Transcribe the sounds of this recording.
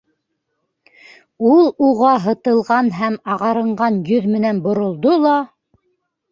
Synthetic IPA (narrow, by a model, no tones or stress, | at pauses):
ulˠuʁɑɦɤ̆t̪ɤ̆lˠʁɑnɦæmɑʁɑɾɤ̆ɴɢɑnjɵðmɘ̆nænbŏɾŏlˠd̪olˠɑ